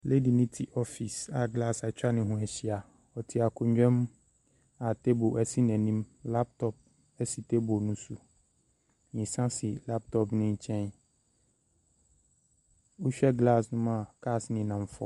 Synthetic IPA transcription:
le˦di˨nĩ˦tʰi˨ʔɔ˦fi˨sa˨ɡla˦˨sa˨t͡ɕᶣa˦nɪ̃˨ɦũ˦˨ɛ˨ɕi˦a˨ | ɔ˨tʰi˦a˨kʰʊ˨ɲᶣɛ̃˦m | a˨te˦bo˨æ˨si˦nɛ̃˨nĩ˦mla˦p̚tʰɔ˦p̚ | ɛ˦si˨te˦bo˨nʊ̃˦su˨ | ɲĩ˨sã˦sɪ˨la˦p̚tʰɔ˦pnɪ̃˦ɲ̩˨t͡ɕʰɛ̃˦n | o˦ɕᶣɛ˦ɡla˦˨snʊ̃˦ma˨kʰa˦˨snɪ̃˨nã˨m˨fɔ̰˦

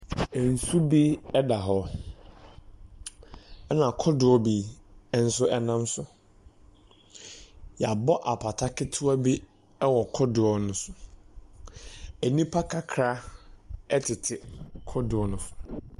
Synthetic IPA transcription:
ɛ˨n̩˨su˦bi˦ɛ˦da˨ɦɔ˦ | ɛ˦nã˨kʰɔ˦dʊ˨ɔ˦biː˦n̩˦sʊ˦ɛ˨nã˦msʊ˨ | jɛ˨a˨bɔ˦ʔa˨pʰa˨tʰa˦kʰɪ˦tʰʊ˦a˦bi˦ | ɛ˦wɔ˨kʰɔ˦dʊ˨ɔ˦nʊ̃˦sʊ˨ | æ˨nĩ˦pʰa˦kʰa˦kʰɾa˦ | ɛ˦tʰɪ˨tʰɪ˨kʰɔ˦dʊ˨ɔ˦nʊ̃˦ʊ˨

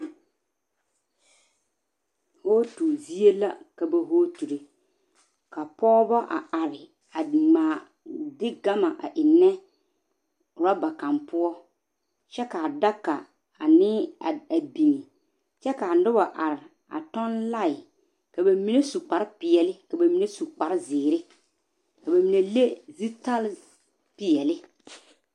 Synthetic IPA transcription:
hoː˦tu˨zi˦e˦la̰˦ka˨ba˨ɦoː˦tu˨ɾe˨ | ka˨pɔː˦ba˦ʔa˨ʔa˨ɾɪ˨ | a˨maː˨ | dɪ˦ɡa˦ma˨ʔa̰˨ʔɪ˨nːɛ˦ | ɾa˦ba˨ka˨mpʊ˦ɔ˦ | t͡ʃɛ˦ka˨da˦kːa˨ | a˨nɪ˦˨a˨bi˨ŋi˨ | t͡ʃɛ˦ka˨nʊ˦ba˨ʔa˨ɾɪ˨ | a̰˨tɔ˦nla˦˨ɪ˨ | ka˨ba˨mi˨ne˦su˨k͡pa˨ɾɪ˦pɪ˨ɛ˨lɪ˦ka˨ba˨mi˨ne˦su˨k͡pa˨ɾɪ˦zɪː˨ɾɪ˦ | ka˨ba˨mi˨ne˨le˦zi˦ta˦l | pɪ˨ɛ˨lɪ˦

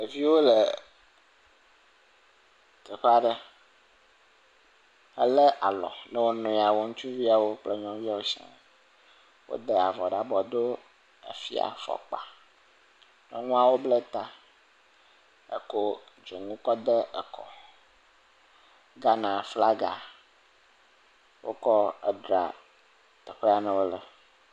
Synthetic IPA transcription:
e˨vi˦wo˦le˨ | kə˨ɸa˦ɖə˦ | ə˦le˦ʔa˨lɔ̰˨nɛ˦wo˦nɔ̃˨a˨wo˦ŋũ˦t͡ʃu˦vi˦a˨wo˦k͡ple˦ɲɔ̃˦vi˦a˦wo˦ʃɛ̰̃˦ | wo̰˦d̪e˦a˨vɔ˨ɖa˨bɔ˨d̪o˦ | ḛ˨fḭ˦a̰˨fɔ̰˨k͡pa̰˨ | nɛ̰˦ŋũ˦a˦wo˦blɛ˦t̪a˦ | ə̰˨ko˦ | d͡ʒo˨ŋũ˦kɔ˦d̪ɛ˦ɛ˨kʰɔ̰˨ | ɡa˦nã˨fla˦ɡa˨ | wʔo˦kɔ˦ɛ̰˦ɖɾa̰˨ | t̪ɛ˨ɸe˦a˨nɛ̃˦wo˦lɛ˨

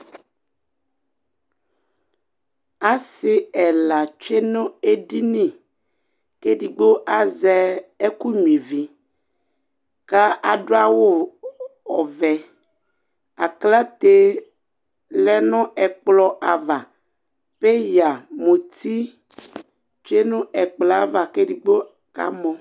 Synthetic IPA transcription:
a˨sɪ˦ɛ˨la˨t͡ʃe˦nõ˦e˨ɖi˦nĩ˦˨ | ke˦ɖi˨ɡ͡bo˦ʔa˨zɛ˦e˦ku˦ɲũ˨ẽ˨vi˨ | ka˦ʔa˨ɖo˦a˦wo˦ | ɔ˨vɛ˨ | a˨kla˦t̪e˦ | lɛ˦nɔ̃˦ɛ˨k͡plɔ˦ʔa˨va˨ | pe˦ja˨mõ˨t̪i˦ | t͡ʃe˦nũ˦ɛ˨k͡plɔ˨a˨va˨ke˦di˨ɡ͡bo˦ | ka̰˦mɔ̃˦

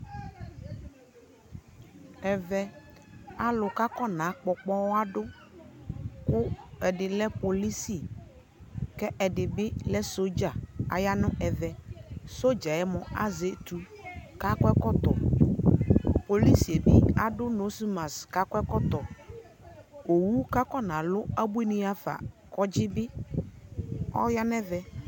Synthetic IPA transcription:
ɛ˨vɛ˦ | a˨lʊ˨ka˦kɔ˦nã˨˦k͡pɔ˨k͡pɔ˦wa˦ɖʊ˦ | kʊ˦ɛ˨ɖɪ˨lɛ˦po˨li˦si˦˨ | kɛ˦ʔɛ˨ɖɪ˨bɪ˦lɛ˦so˦d͡ʒa˨a̰˨ja˦nʊ̃˦ɛ˨vɛ˨so˦d͡ʒa˨ɛ˦mɔ̃˨a̰˦ze˨˦tu˨ | ka˦kɔ˦ɛ˦kɔ˦t̪ɔ˨ | po˨li˦si˨e˨bɪ˦a˨dʊ˦no˨˦si˦ma˨ska˦kʷɛ˦kɔ˦t̪ɔ˨ | o˨wu˦ka˦kɔ˦nã˨lʊ˦a˦bu˦e˦nĩ˦a˦fa̰˨ | kɔ˦d͡ʒɪ˦bɪ˦ | ɔ̰˦ja˦nɛ˦vɛ˨

